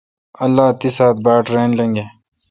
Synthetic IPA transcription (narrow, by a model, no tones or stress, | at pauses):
ɐlːaːt̪isaːt̪̚baːʈɾeːnlẽŋɡe